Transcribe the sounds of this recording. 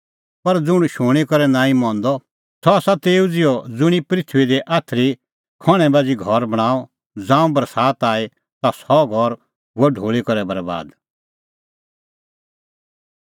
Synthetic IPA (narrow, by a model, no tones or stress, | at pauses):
pɐɾd͡zʊɽ̃ʃʊːɽ̃ikɔɾɛnãːĩmɔ̃ːnd̪ɔ | sʰɔasat̪eːud͡zɪjɔd͡zʊɽ̃ipɾɪt̪ʰʋid̪eʔaːt̪ʰɾi | kʰɔɽ̃ɛ̃baːd͡ziɡʱɔɾbɐɽ̃aːɔ | d͡zãːũbɐɾsaːt̪aːi | t̪asɔɡʱɔɾ | ɦuɛɖʱoːɭikɐɾɛbɐɾba̰ːd̪